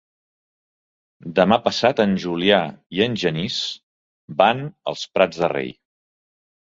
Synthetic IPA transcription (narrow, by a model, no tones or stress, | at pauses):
d̪əmapəsat̪ənʲʒuliaiənʲʒənis | banə̰lˠspɾad͡zðərḛj